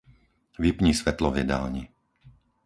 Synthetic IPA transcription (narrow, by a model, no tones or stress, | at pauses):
ʋipɲiːsʋɛt̪lɔvjɛ̰d̪a̰lɲi